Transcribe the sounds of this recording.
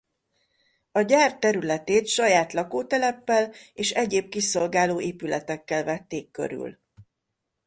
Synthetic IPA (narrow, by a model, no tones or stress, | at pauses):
ɒɟaːrt̪ɛɾylɛt̪eːt̪ʃɒjaːt̪lɒkoːt̪ɛlɛpːɛleːʃɛɟeːb̚kiso̞lɡaːloːeːpylɛ̰t̪ɛkːɛlvɛt̪ːeːkːø̰ɾy̰l